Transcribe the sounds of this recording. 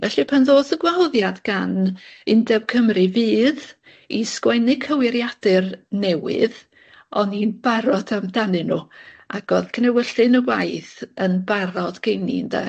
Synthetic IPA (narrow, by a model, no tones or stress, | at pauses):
vɛɬipʰanðoːθəɡwawðjadɡanɪndɛb̥̚kʰəmrɨviːð | iskwɛnɪkʰəwɪɾjad̥ɨrnɛwɪ̰ð | ɔninb̥aɾɔdamdanɨnuaɡ̥ɔðkʰənɛwəɬɨnəwajθənbaɾɔdɡ̥ejnḭnda̰